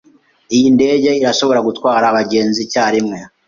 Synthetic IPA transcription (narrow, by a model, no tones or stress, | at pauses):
ijinde̞ɟe̞iɾaʃo̞βo̞ɾaɡutwaːɾaːβaɟe̞ːnzicaːɾimŋe̞